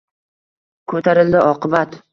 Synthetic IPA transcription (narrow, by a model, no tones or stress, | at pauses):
kʰɵt̪ʰaɾɪld̪ɪɒqʰɨbat̪